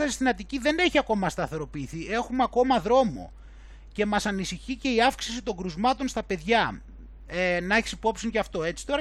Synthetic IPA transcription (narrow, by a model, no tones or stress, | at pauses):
ɐist̪inɐt̪iciðe̞ne̞çiɐko̞mɐst̪ɐθe̞ɾo̞piːθie̞xumeɐko̞mɐðɾo̞mo̞̰ | ce̞mɐsɐnisiçice̞iɐfksisit̪o̞ŋɡɾuzmɐt̪onst̪ɐpe̞ðʝɐ | enɐeçi̥sipo̞psinʝɐft̪o̞e̞t͡si̥t̪o̞ɾɐ